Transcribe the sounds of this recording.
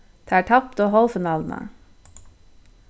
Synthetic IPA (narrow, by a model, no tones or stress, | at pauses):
d̪̥eæːʈʰɑp̚t̪oːhɔlfɪnɑːln̩ə̰